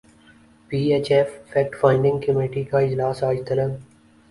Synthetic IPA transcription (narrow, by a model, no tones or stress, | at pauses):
piːeːt͡ʃɛffɛːk̚ʈfaːɪ̃ɳɖɪ̃ŋɡ̚kəmeːʈikaɪd͡ʒlaːsaːd͡ʒt̪ələɡ